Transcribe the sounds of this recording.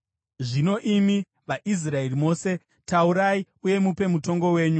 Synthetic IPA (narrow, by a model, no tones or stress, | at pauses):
ʐino̞ʔimi | ʋaʔis̬rae̞rimo̞ːse̞ | tauɾai | uje̞mupe̞muto̞ŋɡo̞we̞ːɲu